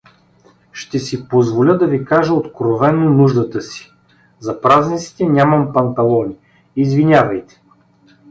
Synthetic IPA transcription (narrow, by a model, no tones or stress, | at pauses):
ʃt̪ɛsipozvolʲəd̪ɐvikaʒəot̪kɾovɛnonuʒd̪ət̪əsi̥ | zɐpɾaznʲit̪si̥t̪ɛnʲaməmpɐnt̪ɐlˠɔnʲi | izvinʲavɐjt̪ɛ̥